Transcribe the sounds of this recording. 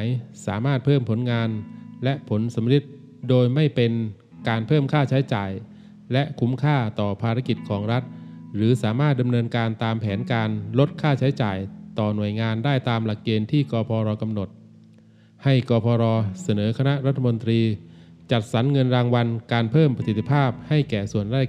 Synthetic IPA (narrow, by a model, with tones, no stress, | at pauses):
jsaː˩˦maː˥˩t̪̚pʰɤː˥˩mpʰo˩˦nŋaː˧nlɛ˦˥ʔpʰo˩˦nsa˩˦mɾi˧˥t̪̚ | doː˧jma˥˩jpe˧n | kaː˧npʰɤː˥˩mkʰaː˥˩t͡ɕʰa˦˥jt͡ɕaː˨˩j | lɛ˦˥kʰu˦˥mkʰaː˥˩t̪ɔː˨˩pʰaː˧ɾa˦˥ki˨˩t̪̚kʰɔː˩˦ŋɾa˦˥t̪̚ɾɯː˩˦saː˩˦maː˥˩t̪̚da˧mnɤː˧nkaː˧nt̪aː˧mpʰɛː˩˦nkaː˧nlo˦˥t̪̚kʰaː˥˩t͡ɕʰa˦˥jt͡ɕa̰ː˨˩jt̪ɔː˨˩nu˨˩əjŋaː˧ndaː˥˩jt̪aː˧mla˨˩kːeː˧nt̪ʰiː˥˩kɔː˧pʰɔː˧ɾɔː˧ka˧mno˨˩t̪̚ | ha˥˩jkɔː˧pʰɔː˧ɾɔː˧sa˧nɤː˩˦kʰa˧na˦˥ʔɾa˦˥t̪ʰːa˧mo˧nt̪ɾiː˧ | t͡ɕa˨˩t̪̚sa˩˦nŋɤ˧nɾaː˧ŋwa˧nkaː˧npʰɤː˥˩mpɾa˧si˨˩t̪ːʰi˧˥pʰaː˥˩p̚ha˥˩jkɛː˨˩su˨˩ənɾaː˥˩